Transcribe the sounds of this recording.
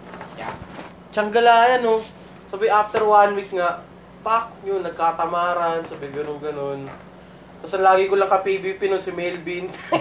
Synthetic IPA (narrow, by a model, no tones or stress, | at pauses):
t͡ʃɐŋɡɐlaːjɐno | saːbajʔaft̪ɛɾwanwik̪̚ŋaʔ | pak̚ɲʊnːɐɡ̚kat̪ɐmaːɾɐnsaːbɐjɡɐnoŋɡɐnon | t̪ɐsɐnlaːɡɪkolɐŋkɐpibipɪnonsɪmɛjlbint̪